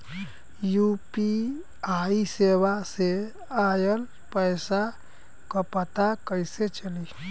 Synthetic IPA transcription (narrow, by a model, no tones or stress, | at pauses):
jupi | aiseβase | ajəl | pəjsa | kəpət̪akəjset͡ʃəli